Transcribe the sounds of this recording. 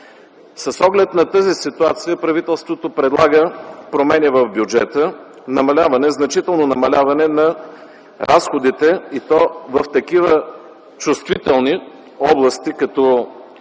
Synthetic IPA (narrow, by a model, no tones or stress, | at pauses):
səsɔɡlɛt̪nɐt̪əzisit̪uat̪sijəpɾɐvit̪ɛlˠst̪vot̪opɾɛd̪lˠaɡəpɾomɛnivəvbjud͡ʒɛt̪ə | nɐmɐlʲavɐnɛznɐt͡ʃit̪ɛlˠnonɐmɐlʲavɐnɛnɐ | ɾʔasxod̪it̪ɛit̪ɔvəft̪ɐkivə | t͡ʃust̪vit̪ɛlˠni | ɔblˠɐst̪ikɐt̪ɔ